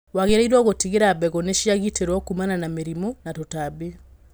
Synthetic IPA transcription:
waɣeɾaiɾwɔɣotiɣeɾabɛɣɔneʃjaɣiteɾwɔkumananameɾimɔnatotabe

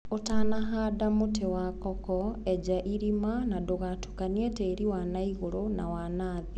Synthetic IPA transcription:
otaːnaɦadamotewakɔkɔɛd͡ʑaʔiɾimanadoɣatu̥kanieteːɾiwanaiɣoɾona̰wanaːðe

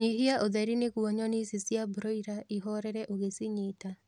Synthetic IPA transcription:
ɲiɦiaʔoðɛɾinekuɔɲɔnisesjabɾoiɾaʔiɦɔɾɛɾɛʔoɣesiɲeta

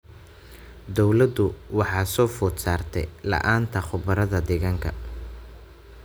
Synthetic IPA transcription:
d̪ɔwlɐd̪ʊwɑħɑːsɔːfʊːt̪saːrt̪ʰɛjlɑ̰ʔaːnt̪ʰɐχʊbɐɾɐðɐd̪ɛɣɐŋkʰɐ

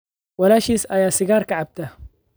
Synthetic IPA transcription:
walaʃisajasiɡaːɾˤkaʕab̚t̪a

